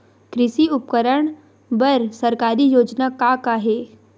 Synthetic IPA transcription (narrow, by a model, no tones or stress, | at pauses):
kɾɪʃiʊpkəɾəɳ̃ | bəɾsəɾkaːɾijoːd͡ʒnakakaːɦeː